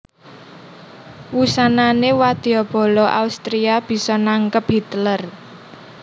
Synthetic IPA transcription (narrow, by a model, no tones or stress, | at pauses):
wusananewad̪̥iɔb̥o̤lɔʔa̰ust̪ɾiab̥i̤sɔnaŋkəp̚ɦit̪lər